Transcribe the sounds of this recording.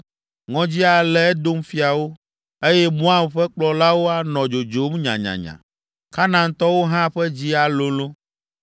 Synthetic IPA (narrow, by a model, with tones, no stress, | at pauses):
ŋɔ̃˦d͡ʑi˦a˨lɛ˨ɛ˦d̪o˦m˦fi˦a˨wo˦ | e˦jɛ˦mũ˦a˦mɸɛ˦k͡plɔ˨la˦wo˦a˨nɔ̃˨d͡ʒo˨d͡ʒo˦m˦ɲã̰˨ɲã̰˨ɲã̰˨ | ka˦nã˨ŋ˦t̪ɔ˦wo˦ɦã˦ɸɛ˦d͡ʑi˦a˨lo˦lo˦